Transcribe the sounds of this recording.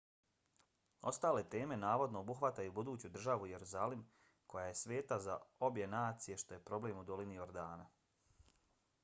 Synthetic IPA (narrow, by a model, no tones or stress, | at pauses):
o̞̰st̪aːle̞t̪e̞ːme̞naːʋo̞d̪no̞ːbuxʋat̪ajubud̪uːt͡ɕud̪r̩ʒaʋuje̞ɾuzaːlim | ko̞jaje̞sʋe̞ːt̪azao̞bje̞naːt̪sije̞ʃt̪o̞je̞pɾo̞ble̞ːmud̪o̞linio̞ɾd̪aːna